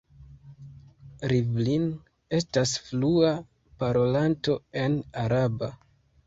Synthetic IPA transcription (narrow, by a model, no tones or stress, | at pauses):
ɾivlin | e̞stasflua | paɾo̞lanto̞e̞naɾaba